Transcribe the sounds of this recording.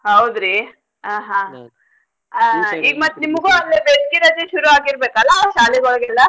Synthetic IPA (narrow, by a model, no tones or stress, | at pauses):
hɐwd̪ɾi | aːɦã | iːɡmɐt̪ːnimɐɡuɐlːebeʈ̚kiɾɐd͡ʒ̪eʃuɾuaːɡiɾbeːkɐlːɐʃaːliɡɔɭɡɛlːɐ